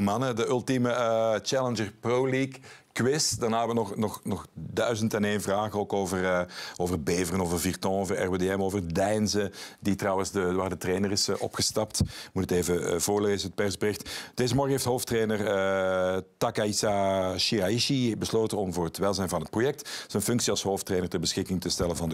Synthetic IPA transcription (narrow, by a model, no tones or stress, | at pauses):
mɑnədəɵlˠtimət͡ʃɛlənd͡ʒərprowliːkː | wɪsdarnaːʋənɔxnɔxnɔxdœɥzəntɛneːnvraːɣəoːkoːvəroːvərbeːvərənoːvərvirtɔ̃ːɔvərɛ̰rbedeɛmoːvərdɛjnzəditrɑwənzdəʋaːrdətreːnərɪsʔɔ̰pxəstɑp̚tmutəteːvəvoːɹleːzənɦət̚pɛrzbərɪxtd̥eːzəmɔrɣəɦeːftɦoːftreːnərə | takaisaʃiaiʃibəsloːtənɔmvʊːrɦətʋɛlˠzɛjnvɑnɦət̚projɛk̚tz̥ənfɵŋksiɑlˠsɦoːftreːnərtərbəsxɪkɪŋtəstɛlənvɑnd